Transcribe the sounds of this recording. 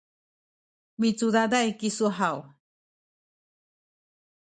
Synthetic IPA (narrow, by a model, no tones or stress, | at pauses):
mit͡sud̪ad̪ajkisuaɦaw